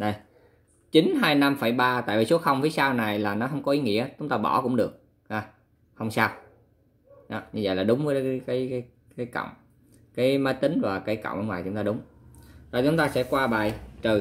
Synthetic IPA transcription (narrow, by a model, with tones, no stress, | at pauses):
ɗə˧˩j | t͡ɕi˨˦ŋ̟ɦaː˧jna˧mfə˧˩jɓaː˧t̪a̰ː˧˨jvi˨˩su˨˦əxə˧wŋ͡mvi˨˦jsaː˧wna˨˩jlaː˨˩nɔ˨˦ɦə˧wŋ͡mkɔ˨˦ʔi˨˦ŋḭ˧˥ət͡ɕʊ˨˦ŋ͡mt̪aː˧ɓɔ˧˩kʊ̰˧˥ŋ͡mɗɨ˨˩ək̚ | ʔaː˧˩ | hə˧wŋ͡msaː˧w | ɗɔ˨˦ɲɨ˧və̰˧˨jlaː˨˩ɗʊ˨˦ŋ͡mvə˨˦jkaː˨˦jkaː˨˦j | kaː˨˦jkə̰˧˨wŋ͡m | kaː˨˦jməː˨˦t̪ï˨˦ŋ̟vaː˨˩kaː˨˦jkɔ̰˧˨wŋ͡mʔəː˧nŋwaː˨˩jt͡ɕʊ˨˦ŋ͡mt̪aː˧ɗʊ˨˦ŋ͡mzɔ˧˩t͡ɕʊ˨˦ŋ͡mt̪aː˧sɛ̰˧˥kwaː˧ɓa̰ː˧˨jt͡ɕəː˨˩